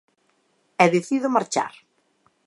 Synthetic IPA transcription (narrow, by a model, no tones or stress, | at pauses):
ɛðeθiðʊmaɾt͡ʃa̰ɾ